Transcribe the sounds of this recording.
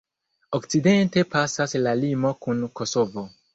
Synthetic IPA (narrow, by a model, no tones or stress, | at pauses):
okt͡side̞nte̞pasaslalimo̞kunko̞so̞vo̞